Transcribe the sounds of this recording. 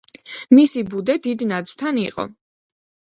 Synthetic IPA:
misibud̪ɛd̪id̪nad̪zwt̪ʰanḭqʼɔ̰

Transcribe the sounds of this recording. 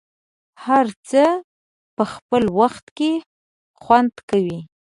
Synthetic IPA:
haɾt͡sə | pəxpəlwaxt̪ke | xwand̪kawi

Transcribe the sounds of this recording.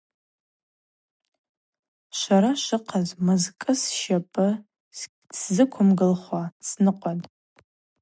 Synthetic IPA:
ʃʷaɾaʃɨqʰazmɨzkʼɨsʃɐpʼɨ | szɨkʷʰʊmɡɨlχʷasnɨqʷʼɔdtʼ

